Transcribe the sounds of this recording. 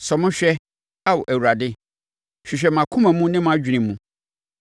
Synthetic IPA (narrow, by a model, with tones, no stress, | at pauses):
sɔ˨mʊ̃˦ɕᶣɛ˦ | a˦wɔ˨ʔæ˨wu˨ɾa˨dɪ˦ | ɕᶣɪ˨ɕᶣɛ˨mã˨kʰũ˦mã˨mũ˦nɪ̃˦mã˦d͡ʑᶣi˨nɪ̃˨mːũ˦